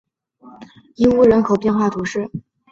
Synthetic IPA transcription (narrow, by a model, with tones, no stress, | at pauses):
i˥nu˥˩ɻə˧˥nkʰo˨˩ʊpjɛ˥˧nxwa˥˩t̪ʰu˧˥ʂɻ̩˥˩